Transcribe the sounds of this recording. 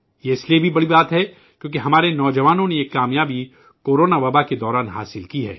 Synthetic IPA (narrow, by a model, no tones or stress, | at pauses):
jeɪsliebʱibɐɽibaːt̪ɦɛ | kjõːk̬eɦɐmaːɾenɔːd͡ʒɐʋaːnõneeːkːaːmjaːbi | koːɾoːnaʋɐbaked̪ɔːɾaːnɦa̰ːsɪlkiɦɛ̰ː